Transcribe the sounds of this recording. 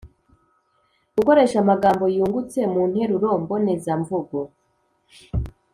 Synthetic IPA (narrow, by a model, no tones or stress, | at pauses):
ɡ̥uko̞ɾe̞ʃamaɡaːmbo̞juːŋɡut͡se̞mun̥he̞ɾuɾo̞ːmbo̞nezaɱvuɡo̞